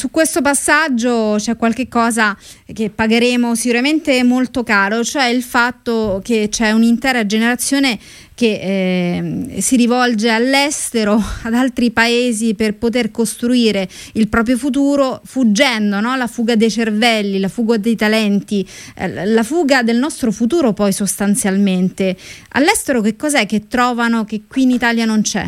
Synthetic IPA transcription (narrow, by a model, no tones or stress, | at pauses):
sukːwest̪op̬asːad͡ʒːot͡ʃɛkːwalk̟ekːɔːzak̟epːaɡeɾeːmosikuɾament̪emolt̪okaːɾot͡ʃoɛilfat̪ːoket͡ʃːɛunint̪ɛːɾad͡ʒeneɾat̪sːjoːne | ke | siɾivɔld͡ʒealːɛst̪eɾoad̪alt̪ɾipaeːziperpot̪̬erkost̪ɾuiːɾeilpɾɔːp̬ɾjofut̪̬uːɾofud͡ʒːɛnd̪onɔlafuːɡad̪ejt͡ʃervɛlːilafuːɡod̪ejt̪alɛnt̪ḭ | lafuːɡad̪elnɔst̪ɾofut̪uːɾopɔjsost̪ant̪sjalment̪e | a̰lːɛst̪eɾokekːɔːzɛk̟ːet̪ːɾɔːvanok̟ekːwiːnit̪aːljanont͡ʃɛ̰